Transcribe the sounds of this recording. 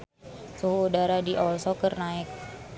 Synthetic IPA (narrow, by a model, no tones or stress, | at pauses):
suɦuudaɾadiʔɔlsokərnaɪk̚